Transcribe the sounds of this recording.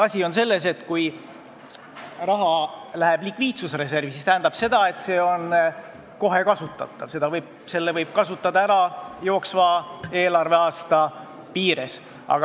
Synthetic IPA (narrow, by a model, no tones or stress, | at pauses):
ɑsʲio̞nse̞lːe̞s̬e̞t̪ːˑkuj | rɑɦɑlæɦeb̥likviːt̪susre̞s̬e̞rvisist̪æɦæːnd̪̥ɑb̥se̞d̪̥ɑe̞t̪se̞ːo̞n | ko̞ɦe̞kɑsut̪ːˑɑ̰t̪ːˑɑvse̞d̪ɑvɤjb̥̚ | se̞lːevɤjb̥̚kɑsut̪ːˑɑd̪ɑæɾɑjo̞ːksvɑːe̞ːlɑrve̞ɑːst̪ɑ | piːɾes | ʔɑ̰ɡ̥ɑ